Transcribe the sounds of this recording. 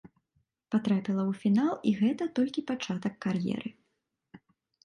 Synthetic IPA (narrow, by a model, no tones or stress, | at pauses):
pat̪ɾapʲilˠɐwfʲinalˠiɣɛt̪ɐt̪ɔlʲkʲipat͡ʂat̪ɐkːarjɛ̰ɾɨ